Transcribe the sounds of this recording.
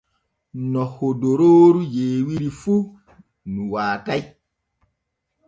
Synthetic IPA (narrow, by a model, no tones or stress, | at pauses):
nɔhodoɾoɾujeːwiɾifu | nũwaːkaj